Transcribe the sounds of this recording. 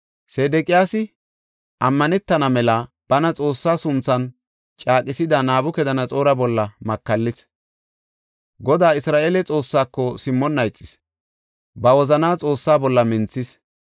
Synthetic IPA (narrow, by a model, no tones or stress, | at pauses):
seːd̪ɛkʼɪjaːsɪ | ʔɐmːɐnɛt̪ːɐnɐmɛlɐ | b̥ɐnɐt͡sʼo̞ːsːaːsʊnt͡sːɐn | t͡ʃʼaːkʼɪsɪd̪ɐnaːbʊkɛd̪ɐnɐt͡sʼo̞ːɾɐbɔlːɐmɐkːɐlːɪs | ɡɔd̪aːɪsɾaːʔeːlɛt͡sʼo̞ːsːaːkːɔsɪmːɔnːɐjt͡sʼːɪ̥s | bɐwɔzɐnaːt͡sʼo̞ːsːaːbɔlːɐmɪnt͡sːɪs